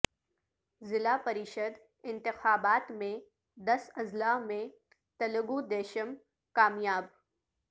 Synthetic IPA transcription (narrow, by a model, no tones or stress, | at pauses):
zɪlapɐɾɪʃəd̪ | ɪ̃nt̪ɪxaːbaːt̪mẽ | d̪ɐsɐzlaːmẽ | t̪ɐləɡud̪eːʃəm | kaːmjaːb